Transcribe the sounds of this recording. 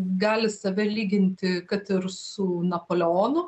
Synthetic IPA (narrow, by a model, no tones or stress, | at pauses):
ɡɑːlʲɪsɐʋʲɛlʲiːɡʲɪnʲt̪ʲɪkɐt̪ɪɾsʊnɐpoːlʲɛoːnʊ